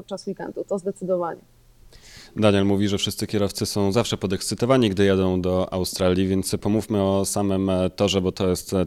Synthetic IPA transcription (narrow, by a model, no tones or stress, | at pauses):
t̪̚t͡ʂːaswikɛ̰nt̪ut̪ɔzd̪ɛt̪sɘd̪ɔvaɲɛ | d̪aɲɛlmuvʲiʐɛfʂɘst̪sɘkʲɛɾɔft̪sɘsɔ̃w̃zafʂɛpɔd̪ɛksɘt̪ɔvaɲiɡd̪ɘjad̪ɔ̃w̃d̪ɔʔa̰wst̪ɾalʲjivʲjɛnt̪spɔmufmɘɔsamɘmt̪ɔʐɛbɔt̪ɔjɛst̪